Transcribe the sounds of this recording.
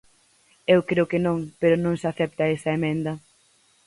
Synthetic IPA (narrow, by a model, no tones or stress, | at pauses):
ewkɾeʊkenõŋpeɾʊnõŋsaθɛp̚t̪ɐesɐemẽnd̪ɐ